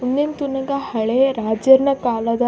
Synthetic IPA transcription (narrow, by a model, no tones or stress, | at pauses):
unːemt̪unɐɡahɐɭeɾad͡ʑəɾnəkalad̪a